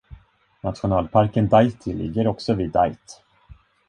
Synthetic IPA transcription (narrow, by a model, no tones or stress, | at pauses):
nat̪ɧʊnɑːlpʰaɾkənd̪ajt̪ʰɪlɪ̰ɡːəɾɔksɔviːd̪ajt̪